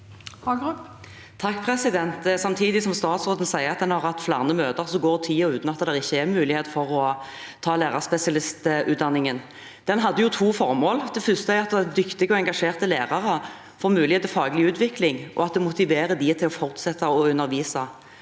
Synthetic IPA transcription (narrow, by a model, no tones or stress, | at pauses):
hɑɡp | t̪ʰɑkːpʰʁɛsɪd̪ɛnt̪sɑmt̪ʰiːd̪ɪsɔmst̪ɑːt̪sʁoːt̪ən̩sæɪəʁɑt̪d̪ɛnhɑʁhɑt̪ːflæ̰ːʁnəmøːt̪əʁsɔɡoːʁt̪ʰiːəʉːnɔɑt̪d̪ɛʁɪçːəɛmʉːlɪheːt̪fɔʁɔ | t̪ʰɑːleːʁɑʁspɛsɪɑlɪst̪ʔʉ̰ːt̪d̪ɑnːɪŋən | d̪̥ɛnɦɑd̪ːəjʊt̪ʰuːfɔʁmoːld̪ɛfʏst̪əæɑt̪d̪ɛd̪ʏkt̪ɪɡɔɛŋɡɑʂeːʁt̪əleːʁɑʁə | fɔʁmʉːlɪheːt̪əlfɑːɡlɪʉːt̪ʰʋɪklɪŋʔɔ̰ɑt̪̚d̪ɛmʊt̪ɪʋeːɾəd̪ɪt̪ʰɪlɔfɔʁt̪sɛt̪ʰːəɔʉnːəʁʋiːsɑ